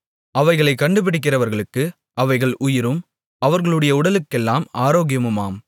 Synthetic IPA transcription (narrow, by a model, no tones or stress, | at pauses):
ɐʋɐɪɣɐɭɐɪkːɐɳɖɯpɪɽɪk̬ːɪrɐʋɐɾɣɐɭɯkːɯ | ʔɐʋɐɪɣɐɭʔʊjɪɾɯm | ɐʋɐɾɣɐɭɯɽɐjɐʊɽɐlɯkːɛlːaːmaːɾoːɣɪjɐmɯmaːm